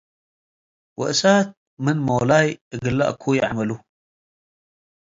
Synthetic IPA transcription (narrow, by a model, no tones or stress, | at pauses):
wɨ̰ʔsat̪̚ | mɨnmowlajɨɡɨlːa̰ʔkʰujɪʕamɐlu